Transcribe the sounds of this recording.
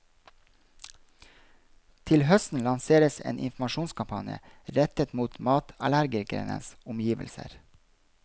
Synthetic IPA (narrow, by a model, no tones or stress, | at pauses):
t̪ʰɪlhœst̪n̩lɑnseːɾəsḛːnʔɪ̰nfm̩ɑʃuːnskʰɑmpʰɑnjə̰ɾɛt̪ət̪muːt̪mɑːt̪ɑlæɾɡɪɾɡɾḛnə̰nsʊmjiːʋə̰lsə̰ɾ